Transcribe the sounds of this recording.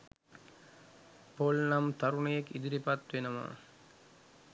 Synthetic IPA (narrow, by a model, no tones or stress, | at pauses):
polnamt̪aɾunejekid̪iɾipat̪ʋenəma̰